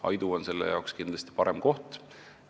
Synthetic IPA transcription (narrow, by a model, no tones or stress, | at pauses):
ɑ̰jd̪uonse̞lːḛjɑ̰wkskind̪lɑst̪i̥pɑɾemko̞ht̪